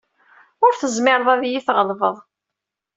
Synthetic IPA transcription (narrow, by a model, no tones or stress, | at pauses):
ʊɾθəzmɪɾˤðˤæðjiθʁəlvəðˤ